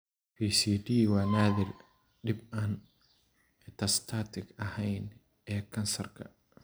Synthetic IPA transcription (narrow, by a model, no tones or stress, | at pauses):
pʰiːsiːd̪iːwɑːnaːðɪr | ɖɪbaːn | ɪt̪ʰɐst̪ʰaːt̪ʰɪɡɐhɛjn | ɛːkʰɐnsɐrkʰɐ̰